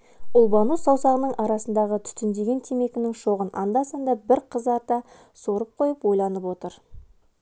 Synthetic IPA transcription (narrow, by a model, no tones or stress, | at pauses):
ʊlˠbɑnusɑwsɑʁənəɴʔɑɾɑsənd̪ɑʁət̪ʰʏ̥t̪ɪnd̪e̞ɡʲe̞nt̪ʰeme̞kʲɪnɪŋʃo̞ʁənʔɑnd̪ɑsɑnd̪ɑbɪɾqʰəzɑɾt̪ɑ | soɾəp̚qʰo̞jəpwo̞jlˠɑnəpwo̞t̪əɾ